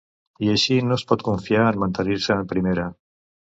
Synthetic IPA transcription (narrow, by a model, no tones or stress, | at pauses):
iəʃinospɔt̪kuɱfiaənmənt̪əniɾsəːmpɾimeɾə